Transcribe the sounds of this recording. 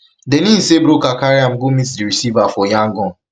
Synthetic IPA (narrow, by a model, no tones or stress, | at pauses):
dɛnĩn̩sebɾokakaɾiãmɡomitdiɹisivafɔjãŋɡɔ̃n